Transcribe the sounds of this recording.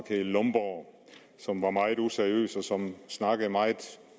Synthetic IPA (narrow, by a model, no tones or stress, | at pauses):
kʰelɔmb̥ɒ | sɒ̽mʋɑ̈mɑ̈ɪð̩ˠuseɐʁiø̰ːsɒ̽sɒ̽msnɑ̈ɡ̥əð̩ˠmɑ̈ɪð̩ˠ